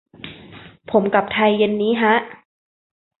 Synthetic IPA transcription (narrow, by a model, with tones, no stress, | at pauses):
pʰo˩˦mka˨˩p̚t̪ʰa˧jːe˧nːiː˦˥ɦʰa˦˥ʔ